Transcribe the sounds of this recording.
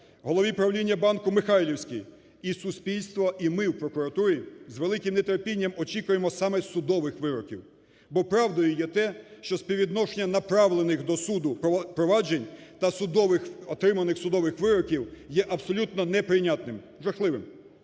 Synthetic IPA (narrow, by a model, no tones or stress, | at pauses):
ɦɔlˠɔʋʲipɾɐwlʲinʲːɐbɑnkʊmɪxɑjlʲiwsʲkʲij | isʊspʲilʲst̪ʋɔʔimɪwpɾɔkʊɾɐt̪uɾʲizʋelˠɪkɪmnet̪eɾpʲinʲːɐmɔt͡ʃikʊjemɔsɑmɛsʊd̪ɔʋɪxʋɪɾɔkʲḭw | bɔpɾɑwd̪ɔjʊjɛt̪ɛʃt͡ʃɔspʲiʋʲid̪nɔʃenʲːɐnɐpɾɑʋlˠenɪxd̪ɔsud̪ʊpɾɔʋɑd͡ʒenʲt̪ɐsʊd̪ɔʋɪxɔt̪ɾɪmɐnɪxsʊd̪ɔʋɪxʋɪɾɔkʲiwjɛʔɐbsɔlʲut̪nɔnɛpɾɪnʲat̪nɪm | ʒɐxlˠɪʋɪm